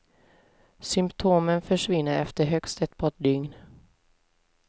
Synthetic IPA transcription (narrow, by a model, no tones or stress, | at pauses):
sʏmpt̪ʰoːmənfœʂvɪnːəɾɛ̰ft̪əɾɦœkst̪ɛt̪pʰɔd̪ʏŋn